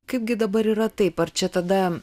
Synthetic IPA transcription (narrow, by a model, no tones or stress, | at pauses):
kɐɪp̚ɡʲɪd̪ɐbɐɾiːɾɐt̪ɐɪpɐɾt͡ʃʲɛt̪ɐd̪ɐ